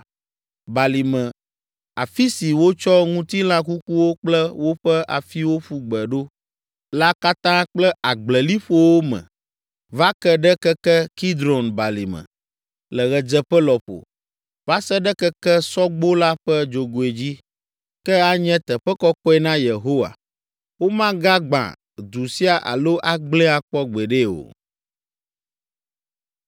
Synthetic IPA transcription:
ba˨li˨mɛ̃˨ | a˨fi˦si˨wo˦t͡ʃɔ˦ŋũ˦t̪i˦l̃ã˦k̬u˦ku˦wo˦k͡plɛ˦wo˦ɸɛ˦ʔa̰˨fi˦wo˦ɸu˦ɡ͡bɛ˨ɖo˦ | la˦ka˦t̪ã˦k͡plɛ˦a˨ɡ͡blɛ˨li˦ɸo˦wo˦mɛ̰̃˨ | va˦kɛ˦ɖɛ˦kɛ˦kɛ˦ki˦d̪ɾo˨nba˨li˨mɛ̰̃˨ | lɛ˨ɣɛ˨d͡ʒɛ˦ɸɛ˦lɔ˨ɸo̰˨ | va˦sɛ˦ɖɛ˦kɛ˦kɛ˦sɔ˦ɡ͡bo˦la˦ɸɛ˦d͡ʒo˨ɡo˨e˨d͡ʑi˦ | kɛ˦a˦ɲɛ̃˦t̪ɛ˨ɸɛ˦kɔ˦kɔ˦ɛ˦nã˦je˨ɦo˦wa̰˨ | wo˦mã˦ɡa˦ɡ͡bã̰˨ | d̪u˨si˦a˨ʔa̰˨lo˦ʔa˦ɡ͡blɛ̃˦a˨k͡pɔ˦ɡ͡bɛ˨ɖe˦wo̰˨

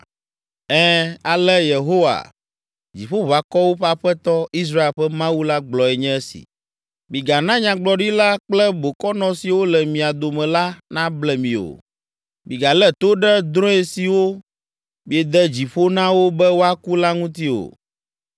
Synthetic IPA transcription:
ɛ˦a˨lɛ˦je˨ɦo˦wa̰˨ | d͡ʑi˨ɸo˦βa˨kɔ˦wo˦ɸɛ˦a˦ɸɛ˦t̪ɔ˦i˦s̬ɾa˦e˨lɸɛ˦mã˦wu˦la˦ɡ͡blɔ˨ɛ˨ɲɛ̃˦ɛ˦sḭ˨ | mĩ˨ɡa˨nã˦ɲã˦ɡ͡blɔ˨ɖi˦la˦k͡plɛ˦bo˨kɔ˦nɔ̃˨si˨wo˦lɛ˨mĩ˨a˨d̪o˨mɛ̃˨la˦nã˦blɛ˨mĩ˨o̰˨ | mĩ˨ɡa˨lɛ˦t̪o˦ɖɛ˦d̪ɾɔ̃˦ɛ˨si˨wo˦ | mi˨ɛ˨d̪ɛ˦d͡ʑi˨ɸo˦nã˦wo˦bɛ˦wo˦a˦ku˦la˦ŋũ˦t̪i˦o̰˨

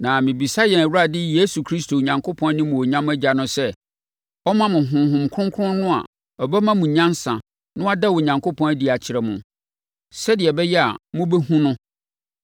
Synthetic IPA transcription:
nã˨mɪ̃˨bi˨sa˦jɛ˨næ˨wu˦ɾa˨dɪ˦je˦su˨kʰɾi˦stʰo˨ɲã˨ŋkʰo˦pʰɔ̃˦n˦nĩ˦mʊ̃˨ɔ˨ɲã˦m˦æ˦d͡ʑa˨nʊ̃˦sɛ˦ | ɔ˦mã˦mʊ̃˨ɦʊ̃˨ɦʊ̃˨mkʰʊ̃˦ŋkʰʊ˦ʊ̃˦nʊ̃˦a̰˨ | ɔ˨bɛ˦mã˦mũ˨ɲã˦n˦sã̰˨ | nʊ̃˦a˦da˦wo˨ɲã˨ŋkʰo˦pʰɔ̃˦næ˦di˨a˨t͡ɕʰɪ˨ɾɛ˨mʊ̃˨ | sɛ˦dɪ˨ɛ˨bɛ˦jɛ˦a̰˨mʊ̃˦bɛ˦ɦũ˦nʊ̃˦

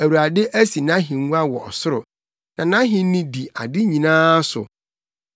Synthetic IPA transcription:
æ˨wu˨ɾa˨dɪ˦ʔæ˦si˨nã˦ɦĩ˨ŋ˦u˦a˦wɔ˨ɔ̰˨sʊ˦ɾʊ˨ | nã˨nã˦ɦɪ̃˦nĩ˦di˨a˨dɪ˦ɲĩ˨nãː˦sʊ̰˨

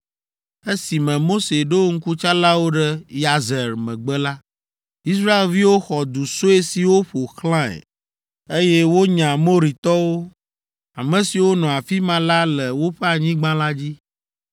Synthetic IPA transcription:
e˦si˨mɛ̃˨mo˦se˨ɖo˦ŋ̩˦ku˦t͡ʃa˦la˦wo˦ɖɛ˦ja˨zɛ˨ɾmɛ̰̃˨ɡ͡bɛ˦la˦ | i˦sɾa˦e˨lvi˦wo˦xɔ˨d̪u˨so˦e˦si˨wo˦ɸo˨xlã˦ɛ̰˨ | e˦jɛ˦wo˦ɲã˨mo˦ɾi˨t̪ɔ˦wo˦ | a˨mɛ̃˨si˨wo˦nɔ̃˨a˨fi˦mã˨la˦lɛ˨wo˦ɸɛ˦a˨ɲĩ˦ɡ͡bã˦la˦d͡ʑi˦

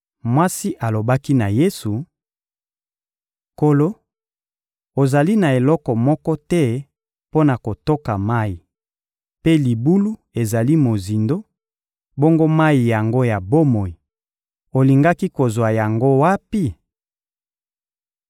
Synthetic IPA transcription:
mwa˦si˦ʔa˨lo˨ba˦ki˦na˨je˦su˨ | ko˨lo˦ | o˨za˨li˦na˨e˨lɔ˦kɔ˨mɔ˦kɔ˦tɛ˦ | po˦na˨ko˨to˦ka˨ma˦ji˨ | pe˦li˨bu˦lu˦ | e˨za˨li˦mo˨zi˨ndo˦ | bo˦ŋɡo˦ma˦ji˨ja˨ŋɡo˦ja˨bo˦mo˨i˨ | o˨li˨ŋɡa˦ki˦ko˨zwa˨ja˨ŋɡo˦wa˦pi˦

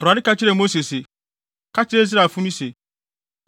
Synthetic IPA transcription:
ʊ˨ɾa˨dɪ˦ka˦t͡ɕɪ˦ɾe˦˨mo˦se˨se˨ | kʰa˦t͡ʃɪ˦ɾe˦zɾa˨fũ˦mĩ˦se˨

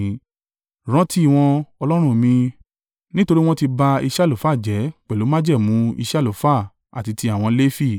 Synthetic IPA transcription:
ɾ̃ɔ̃˨˦ti˦˨w̃ɔ̃˧ɔ˧lɔ˦ɾ̃ũ˧mĩ˧ | nĩ˦to˧ɾi˦w̃ɔ̃˦ti˧ba˧i˧ʃlo˨˦fa˦˨d͡ʒɛ˨˦k͡pɛ˨lo˨˦mã˦d͡ʒɛ˦˨mũ˨˦ḭ˧ʃɛ˦˨lo˨˦fa˦˨ | a̰˨ti˧ti˧a˨w̃ɔ̃˧le˦fi˦˨

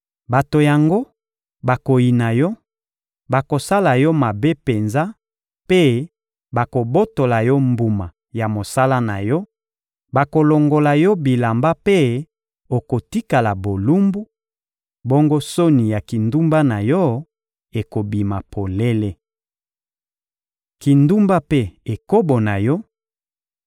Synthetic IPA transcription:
ba˨to˨ja˨ŋɡo˦ | ba˨ko˨ji˨na˨jɔ˦ | ba˨ko˨sa˦la˨jɔ˦ma˨be˦pe˨nza˦ | pe˦ | ba˨ko˨bo˦to˨la˨jɔ˦mbu˨ma˨ | ja˨mo˨sa˦la˦na̰˨jɔ˦ | ba˨ko˨lo˨ŋɡo˨la˨jɔ˦bi˨la˨mba˦pe˦ | o˨ko˨ti˦ka˨la˨bo˨lu˦mbu˦ | bo˦ŋɡo˦so˦ni˨ja˨ki˨ndu˦mba˦na˨jɔ˦ | e˨ko˨bi˨ma˨pʰo˨le˦le˦ | ki˨ndu˦mba˦pe˦e˨ko˦bo˨na˨jɔ˦

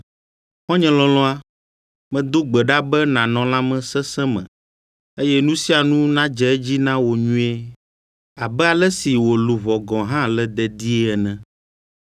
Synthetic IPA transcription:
hɔ̃˦ɲɛ̃˨lɔ̃˨lɔ̃˦a˦ | mɛ̃˨d̪o˦ɡ͡bɛ˨ɖa˦bɛ˦nã˨nɔ̃˨la˦mɛ̃˨sɛ˦sɛ̃˦mɛ̰̃˨ | e˦jɛ˦nũ˦si˦a˨nũ˦nã˦d͡ʒɛ˨˦ɛ˦d͡ʑi˦nã˦wo˨ɲũ˦e˦ | a˨bɛ˦a˨lɛ˦si˨wo˨lu˨vɔ˨ɡɔ̃˨ɦã˦lɛ˦d̪ɛ˨d̪i˦ɛ˦ɛ˨nɛ̃˦

